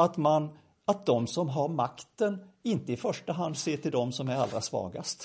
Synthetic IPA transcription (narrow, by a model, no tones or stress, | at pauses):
at̪man | at̪̚d̪ɔmsɔmɦaɾmakt̪ənɪnt̪əɪfœʂʈaɦand̪seːʈʰɪld̪ɔmsɔmæɾa̰ld̪ɾasvɑ̰ːɡa̰st̪